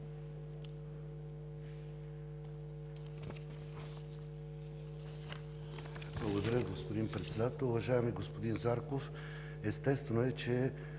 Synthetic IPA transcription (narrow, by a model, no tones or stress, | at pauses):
blˠəɡod̪ɐɾʲəɡospod̪inpɾɛt̪sɛd̪at̪ɛʊvɐʒaɛmiɡospod̪inzaɾkof | ɛst̪ɛst̪vɛnoɛt͡ʃɛ